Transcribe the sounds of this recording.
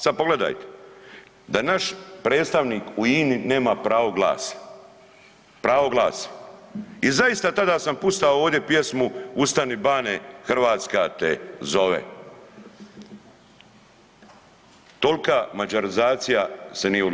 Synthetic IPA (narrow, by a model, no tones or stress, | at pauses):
sad̪̚poɡle̞d̪a̰jt̪e̥ | d̪anaʃpɾe̞ːt̪st̪aʋniːkuiːnine̞ːmapɾaːʋoɡla̰ːs | pɾaːʋoɡlˠaːse̥ | izaist̪at̪ad̪asampust̪aooːʋd̪je̞pje̞smuust̪anibaːnexr̩ʋaːt̪skat̪ḛzo̞ʋḛ | t̪olkamad͡ʒaɾizaːt̪sijasenijeu